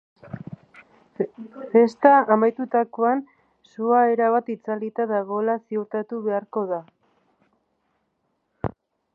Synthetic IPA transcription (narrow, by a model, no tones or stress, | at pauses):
fe̞st̪aːmajt̪ut̪akoan | suaeɾaβat̪it͡salit̪aðaɣ̞o̞elasiuɾt̪at̪uβe̞aɾko̞ða